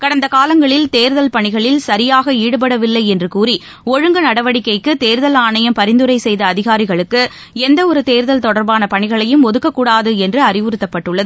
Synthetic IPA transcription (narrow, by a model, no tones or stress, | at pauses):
kɐɽɐnd̪ɐkaːlɐŋɡɐɭɪlt̪eːɾðɐlpɐɳɪɣɐɭɪlsɐɾɪjaːɣɐiːɽɯpɐɽɐʋɪlːɐɪɛndrɯkuːri | ɔɻɯŋɡɐnɐɽɐʋɐɽɪkːɐɪkːɯt̪eːɾðɐlaːɳɐjɐmpɐɾɪnd̪ɯɾɐɪsɛjðɐːðɪɣaːɾɪɣɐɭɯkːɯ | ɛnd̪ɐɔɾɯt̪eːɾðɐlt̪ɔɽɐɾbaːnɐpɐɳɪɣɐɭɐjɯmɔðɯkːɐkːuːɽaːðɯɛndrɯɐrɪʋɯɾɯt̪ːɐpːɐʈːɯɭːɐðɯ